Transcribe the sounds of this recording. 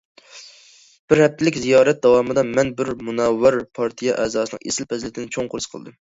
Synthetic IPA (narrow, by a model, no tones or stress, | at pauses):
b̥ɪɾhɛp̚t̪ʰɪlɪkʲzijɑːɾɛt̪̚d̪ɑwɑːmɨd̪ɑmɛnbɪɾmunɛwːɑɾpʰɑɾt̪ʰijɛʔɛːzɑːsɨnɨ̰ŋḛsɪlpʰɛzlɪt̪ɪnɪt͡ʃʰoŋqʰʊɾɨsqʰəlˠɨd̪ɨm